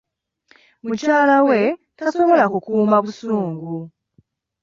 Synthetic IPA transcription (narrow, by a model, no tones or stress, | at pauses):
mucaːlawe̞ | taso̞βo̞lakukuːmaβusuːŋɡu